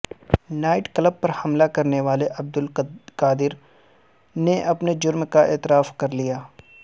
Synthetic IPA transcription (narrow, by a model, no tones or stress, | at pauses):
naːɪʈkləb̚pɐɾhɐmlakɐɾneʋaːleʔɐb̚d̪ʊlkaːd̪ɪɾ | neʔɐpned͡ʒʊɾmkaɛːt̪ɪɾaːfkɐɾlijaː